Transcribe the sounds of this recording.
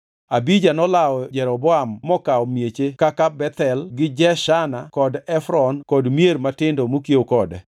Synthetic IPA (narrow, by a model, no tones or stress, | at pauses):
abid͡ʒanɔlaɔd͡ʒɛɾɔbɔamːɔkaɔmjet͡ʃekakabɛt̪ɛlɡɪd͡ʒɛʃanakɔdɛfɾɔnkɔdmjeɾmatɪndomokieokɔdɛ